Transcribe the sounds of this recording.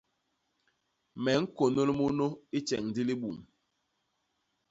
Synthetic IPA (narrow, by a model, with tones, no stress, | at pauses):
mɛ˨˦ŋ̩˦ko˨no˦lmo˦no˦i˦t͡ʃɛ̰˨ŋn˨di˦li˦ɓu˨m